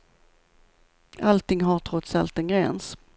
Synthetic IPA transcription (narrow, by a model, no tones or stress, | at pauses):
alt̪ʰɪŋɦaɾʈʰɾɔt̪salt̪ɛnɡɾɛns